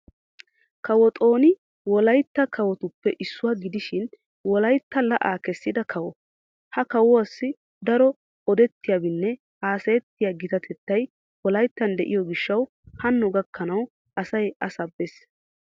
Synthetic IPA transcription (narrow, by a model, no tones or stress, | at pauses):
kɐwɔt̪ʼo̞ːnɪ | wɔlɐjt̪ːɐkʰɐwɔt̪ʊpːɛʔɪsːʊwaːɡɪd̪ɪʃɪn | wɔlɐjt̪ːɐlɐʔaːkɛsːɪd̪ɐkʰɐwɔ | hɐkɐwɔwɐsːɪ | d̪ɐɾɔ | ɔd̪ɛt̪ːɪjaːbɪnːɛ | haːsɐjɛt̪ːɪjaːɡɪt̪ɐt̪ʰɛt̪ːɐj | wɔlɐjt̪ːɐnd̪ɛʔɪjɔɡɪʃːɐw | hɐnːɔɡɐkʰːɐnɐw | ʔɐsɐjɐsɐbːes